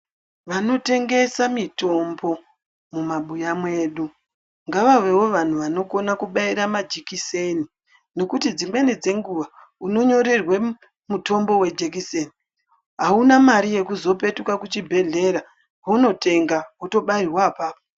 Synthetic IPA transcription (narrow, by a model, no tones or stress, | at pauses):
ʋano̞te̞ŋɡe̞samito̞mbo̞ | mumaɓujamwe̞ːɗu | ŋɡaʋaʋe̞wo̞ʋan̤uʋano̞ko̞nakuɓaiɾamad͡ʒikiseni | no̞kutid͡zimwe̞ned͡ze̞ŋɡuʋa | uno̞ɲo̞ɾe̞rwe | muto̞mbo̞we̞d͡ʒek̬iseni | ɦaunamaɾije̞kuzo̞pe̞tukakut͡ʃibʱe̞ɮe̞ɾa | ono̞te̞ŋɡauto̞ɓairwaːpaːpo